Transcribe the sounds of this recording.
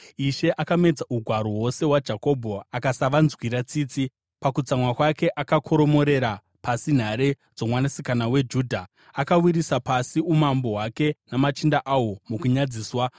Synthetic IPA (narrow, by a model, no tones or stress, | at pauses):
iʃe̞ʔakame̞d͡zauɡʱwaɾoɦwo̞se̞ɦwad͡ʒako̞bʱo̞akasaʋanzwiɾat͡siːt͡si | pakut͡samwakwake̞ʔakakʰo̞ɾo̞mo̞ɾe̞ɾa | pasin̤aɾe̞ | d͡zo̞mwanasikanawe̞d͡ʒuːdʱa | akawiɾisapasiumambo̞ɦwake̞namat͡ʃindaʔawo̞mukuɲad͡ziːswa